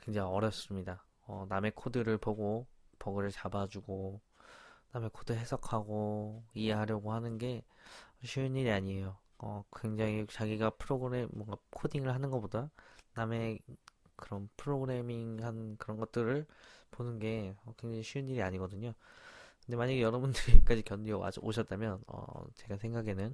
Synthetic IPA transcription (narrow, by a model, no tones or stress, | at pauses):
kwe̞ŋd͡ʑaŋiʌɾjʌp̚s͈ɯmɲida | ʌname̞kʰodɯɾɯɭpoɡopʌɡɯɾɯɭt͡ɕabad͡ʑuɡo | name̞kʰodɯɭɦe̞sʰʌkʰaɡoie̞ɦaɾjʌɡohanɯnɡe̞ʌɕʰɥiɯnɲiɾiaɲiejo | ʌkwe̞ŋd͡ʑaŋit͡ɕaɡiɡapʰɯɾoɡɯɾemːwʌnɡakʰodiŋɯɭhanɯnɡʌp͈odaname̞ | kɯɾʌnpʰɯɾoɡɯɾe̞miŋhankɯɾʌnɡʌt̚t͈ɯɾɯɭponɯnɡe̞ʌkwe̞ŋd͡ʑaŋiɕʰiɯnːiɾiaɲiɡʌdɯɲokɯnde̞maɲaɡejʌɾʌbundɯɾik͈ad͡ʑikjʌndia̰oɕʰʌt͈̚amjʌnʌ̰t͡ɕe̞ɡasʰe̞ŋɡaɡe̞nɯn